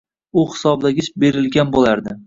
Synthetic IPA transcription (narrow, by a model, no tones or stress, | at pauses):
ʊhɪ̥sɒblaɡʲɪt͡ʃbe̞ɾɪlɡʲanbolaɾd̪ɪ